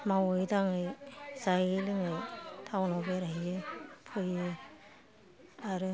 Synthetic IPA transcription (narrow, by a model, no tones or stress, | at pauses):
mawɯjdaŋɯjsajɯlɯŋɯjtʰawnɔbeɾaɦijjɯpʰɯjɯ | aɾɯ